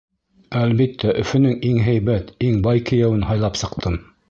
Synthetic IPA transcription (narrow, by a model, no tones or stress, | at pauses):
ælβit̪ʰːæʔɵ̆fɵ̆nɘŋiŋɦæjβæt̪iŋbɑjkɘ̆jæwɘnɦɑjlˠɑpsɤ̆qt̪ʰɤm